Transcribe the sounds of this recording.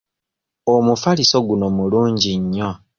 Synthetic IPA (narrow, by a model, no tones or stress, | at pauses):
omufaliso̞ɡuno̞muluːɲɟiɲːo̞